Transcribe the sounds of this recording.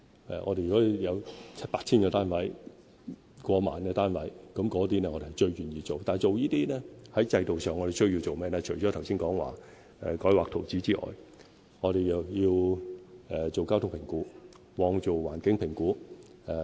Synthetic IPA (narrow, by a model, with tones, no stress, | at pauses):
ʔɛ̰ː˨˩ʔɔː˨˧e˨jy˨˩ɔː˨˦˥jɐ˨˧wt͡sʰɐ˥t̚paː˧k̚t͡sʰiː˥nkɔː˧t̪aː˥nwɐ˨˥j | kʷɔː˧ma̰ː˨nɛː˧t̪aː˥nwɐ˨˥jkɐ˨˥mkɔː˨˥t̪̬iː˥nɛː˧ŋɔː˨˧te˨˩hɐ˨˩jt͡ʃɵ˧ɥjyː˨˩njiː˧t͡so˨wt̪aː˨˩njt͡ʃo˨wjiː˥t̪iː˥nɛː˥hɐ˨˥jt͡sɐ˧jt̪o˨wsœː˨˩ŋːɔː˨˧ɾe˨jsɵ˥ɥji˧wt͡so˨wmɛː˥lɛː˧˥t͡ʃʰɵ˨˩t͡ʃɔ˨˥t̪ʰɐ˨˩wsiː˥nkɔː˨˥ŋwa̰ː˨ | ɛ˨˧kɔː˨˥jwaː˨k̚t̪ʰo˨˩wt͡si˨˥t͡siː˥ʔɔ̰ː˨˩j | ŋɔː˨˧ɾe˨jɐ˨wjiː˧w | ɛː˨t͡so˨wkaː˥wt̪ʰʊ˥ŋpʰɪ˨˩ŋkuː˨˥ | wɔː˨˧ŋt͡so˨wwa̰ː˨˩nkɪ˨˥ŋpʰɪ˨˩ŋkuː˨˥ | ɛ˨˧